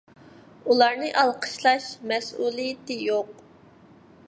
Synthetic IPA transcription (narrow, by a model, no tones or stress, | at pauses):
ulˠɑɾnɨʔɑlˠqʰə̥ʃlˠɑʃmɛsulˠijɪt̪ɪjoq